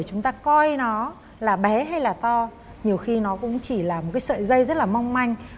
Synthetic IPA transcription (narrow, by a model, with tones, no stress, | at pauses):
t͡ɕʊ˨˦ŋ͡mt̪aː˧kɔ˧jnɔ˨˦ | laː˨˩ɓɛ˨˦ɦa˧jlaː˨˩t̪ɔ˧ | ɲi˨˩əwxi˧nɔ˨˦kʊ̰˧˥ŋ͡mt͡ɕi˧˩laː˨˩mo˨˩t̚kaː˨˦jsə̰ː˧˨jzə˧jzə˦˥t̚laː˨˩ma˧wŋ͡mma˧jŋ̟